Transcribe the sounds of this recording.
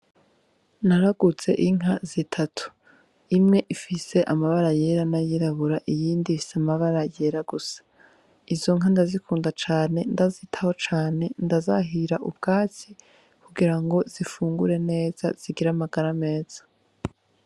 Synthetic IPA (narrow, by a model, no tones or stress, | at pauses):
naɾaɡut͡se̞̰ʔiŋ̥ɦazitʰatʰu̥ | imŋe̞ʔifise̞ʔamaβaɾaje̞ɾanajiɾaβuɾaʔijiːndifi̥seamaβaɾaje̞ɾaɡusḁ | izo̞ŋ̥andazikuːndat͡ʃaːne̞ndazitʰaho̞t͡ʃaːne̞ndaza̰ɦiɾaʔubɡaːt͡si | kuɡiɾaŋɡo̞z̥ifuːŋɡuɾe̞ne̞ːz̥a̰z̥iɡiɾamaɡaɾame̞ːz̥ḁ